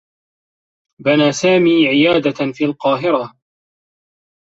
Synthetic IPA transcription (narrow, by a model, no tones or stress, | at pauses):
banaːsaːmiːʕɪjaːd̪afiːalqɑːɦɪɾa